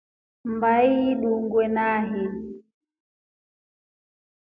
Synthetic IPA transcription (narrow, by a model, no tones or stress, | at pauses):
mbaiɗuŋɡwɛnaɦɛ